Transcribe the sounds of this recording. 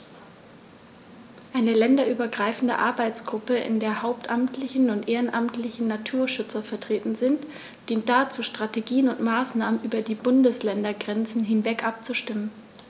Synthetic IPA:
ʔaɪnəlɛndɐʔyːbɐɡʁaɪfn̩də̰ʔaɐbaɪt͡sɡ̥ʁʊpəʔɪ̰ndeːɐhaʊptʔamtʰlɪçn̩ʊntʔeːʁənʔamtlɪçn̩nːatʰuːɐʃʏt͡sɐfɛɐtʁ̥eːtn̩zɪnt | d̥iːnt̚d̥at͡suːʃtʁ̥ateɡiːənʊntmaːsnaːmənʔyːbɐdiːbʊndəslɛndɐɡʁɛnt͡sn̩ɦɪnvɛkʔap̚t͡suʃtɪmən

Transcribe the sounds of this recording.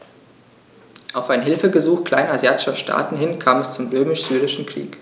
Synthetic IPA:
ʔaʊfaɪnɦɪlfəɡəzuːxkl̥a̰ɪnazjaːtɪʃɐʃtʰa̰ːtn̩hɪnkʰaːmɛst͡sʊmʁøːmɪʃz̥yːʁɪʃn̩kʁ̥ḭːk

